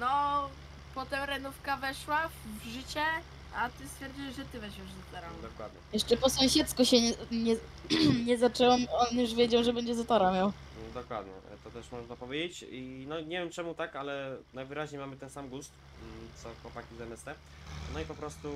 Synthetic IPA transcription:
nɔ | pɔt̪ɛmɾɛnufkavɛʂwavʐɘt͡ɕɛ | at̪ɘst̪fʲjɛɾd͡ʑiwʐɛt̪ɘvɛɕwɛʐzɔt̪ɔɾad̪ɔkwa̰d̪ɲɛ̰jɛʂt͡ʂɛpɔsɔ̃w̃ɕɛt̪skuɕɛɲɛɲɛ | ɲɛzat͡ʂɛwɛmɔnjuʂvʲjɛd͡ʑawʐɛbɛɲd͡ʑɛzat̪ɔɾamʲjaw | d̪ɔkwa̰d̪ɲɛ̰t̪ɔt̪ɛʂmɔʐnapɔvʲjed͡ʑet͡ɕinɔɲevʲjɛmt͡ʂɛmut̪akalɛnajvɘɾaʑɲejmamɘt̪ɛnsamɡust̪ | t̪sɔxwɔpakʲizɛmɛst̪ɛ | nɔipɔpɾɔst̪u

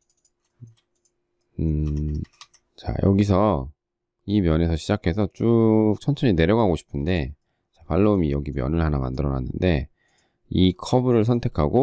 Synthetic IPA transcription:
ɯ | t͡ɕa̰jʌɡis̬ʰʌ | imjʌne̞sʰʌɕʰid͡ʑakʰe̞sʰʌt͡ɕ͈uk̚t͡ɕʰʌnt͡ɕʰʌɲine̞ɾjʌɡɦaɡoɕʰi̥pʰɯnde̞ | t͡ɕapaɭːomijʌɡimjʌ̰nɯɭhanama̰ndɯɾʌna̰nːɯnde̞ | ikʰʌbɯɾɯɭs̬ʰʌntʰe̞kʰaɡo

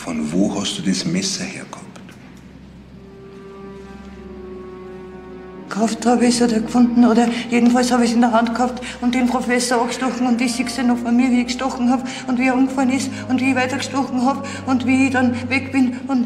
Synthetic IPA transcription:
fɔnvoːhastd̥uːdɛsmɛsɐhḛːɐkhɑpt | kʰaftʁɑːbɛsoːdɐkfʊndn̩oːɾɐjeːdn̩falshɑːbɪçɪndɐɦantkhaptʊnt̚d̥enpʁ̥ofɛsəɐakʃtɔxŋ̩ʊntisɪksənɔxfɔnmiːɐviːkʃtɔxŋ̩haːb | ʊntviːəanɡfalənɪs | ʊntviːçvaɪtɐɡʃtʁɔxŋ̩haːb | ʊntviːçd̥ɑnvɛkb̥ɪnʊnt

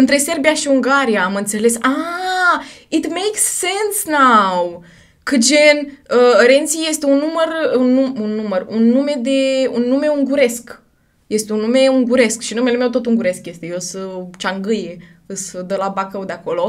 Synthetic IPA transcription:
ɨnt̪ɾe̞se̞rbijaʃiuŋɡaɾijaːmɨnt̪se̞le̞sa | it̪mejksːẽnsnaw | kʰɨd͡ʒenəəɾe̞nt̪sije̞st̪eunːumərunːuunːumərunːume̞d̪e̞unːume̞uŋɡuɾe̞sk | je̞st̪eunːumeuŋɡuɾe̞skʃinume̞lemewt̪o̞t̪uŋɡuɾe̞skje̞st̪ejesət͡ʃaŋɡɨje | ɨsəd̪əlabakəwd̪eako̞lo̞

